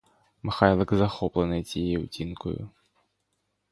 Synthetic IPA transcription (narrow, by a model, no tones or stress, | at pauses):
mɨxajlˠɐkzaxɔplˠɐnɨt͡sʲijɛɛwt͡sʲinkʊ̰jṵ